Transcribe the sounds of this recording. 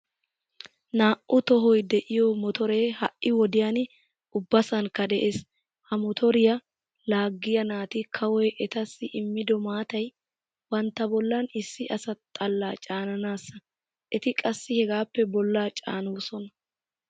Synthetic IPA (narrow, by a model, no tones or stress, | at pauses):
naːʔʊt̪ɔɦɔjd̪ɛʔɪjɔmɔt̪ɔɾe̞ːhɐʔʔɪwɔd̪ɪjan | ʊbːɐsɐnkːɐd̪ɛʔeːs | hɐmɔt̪ʰɔɾɪjɐ | laːɡːɪjɐnaːt̪ɪkʰɐwɔjʔɛt̪ɐsːɪʔɪmːɪd̪ɔmaːt̪ɐj | wɐnt̪ːɐbɔlːɐnɪsːɪʔɐsɐt̪ʼɐlːaːt͡ʃʼaːnɐnaːsːɐ | ʔɛt̪ɪkʼɐsːɪhɛɡaːpːɛbɔlːaːt͡ʃʼa̰ːnuːsɔnɐ